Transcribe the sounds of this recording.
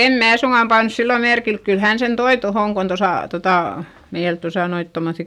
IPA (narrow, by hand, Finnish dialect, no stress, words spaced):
em mæː suŋɡ̊ɑm pɑnŭs silːo merkilk kyl hæn sen toi tohoˑŋ kon tosɑˑ totɑˑ meil tosɑ noit tomoθːi